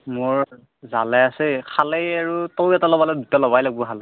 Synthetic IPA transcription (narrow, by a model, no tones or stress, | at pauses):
mʊɹ | za̰lɛasɛkʰalejaɹutowɛtalɔbalɛdutɔlɔβajlaɡbuɦalɛ